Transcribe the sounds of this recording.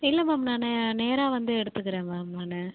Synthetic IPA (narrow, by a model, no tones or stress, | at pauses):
ɪlːɐmaːmnaːneneːɾaːʋɐnd̪ɯɛɽɯt̪ːɯkːɯɾẽːmaːmnaːnɯ